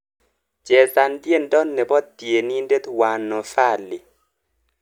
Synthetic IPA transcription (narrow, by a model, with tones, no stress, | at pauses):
d͡ʒɛ˨ta˨ndje˦˨ndɔ˦nːɛ˨bɔ˦t̪je˨ni˦nde˦t̪wa˨nɔ˨fa˦˨lːi˨